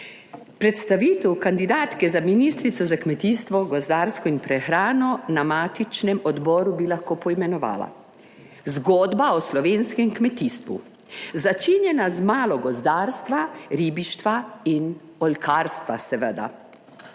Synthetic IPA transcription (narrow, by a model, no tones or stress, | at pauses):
pɾɛt̪st̪aʋiːt̪ɛwkand̪id̪aːt̪kɛzaminist̪ɾit̪sɔzakmɛt̪iːst̪ʋɔɡɔzd̪aːɾskɔinpɾɛxɾaːnɔnamaːt̪it͡ʃnɛmɔd̪bɔːɾubilaxkoːpɔimɛnɔʋa̰ːla̰ | zɡɔːd̪baɔslɔʋeːnskɛmkmɛt̪iːst̪ʋṵ | zat͡ʃinjɛnazmaːlɔɡɔzd̪aːɾst̪ʋaɾiːbiʃt̪ʋain | ɔlkʰaːɾst̪ʋasɛʋəd̪a̰